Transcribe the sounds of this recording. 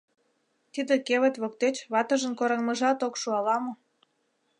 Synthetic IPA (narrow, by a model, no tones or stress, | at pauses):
t̪id̪ĕkeβə̆t̪βok̚t̪et͡ɕβɑt̪ə̆ʒə̆nkoɾɑŋmə̆ʒɑt̪okʃuɑlɑmɤ̆